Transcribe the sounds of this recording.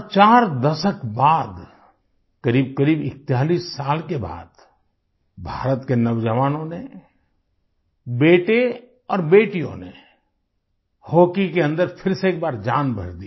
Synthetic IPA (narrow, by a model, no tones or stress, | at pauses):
t͡ʃaːɾd̪ɐʃəkbaːd̪ | kɐɾiːbkɐɾiːbɪk̚t̪jaːliːsːaːlkeba̰ːd̪̥ | bʱaːɾət̪kenɐʋd͡ʒəʋaːnõne | beːʈe | ɔːɾbeːʈijõ̰ne | hoːkikeə̃nd̪əɾpʰɪɾseeːk̚baːɾd͡ʒaːnbʱə̰ɾd̪i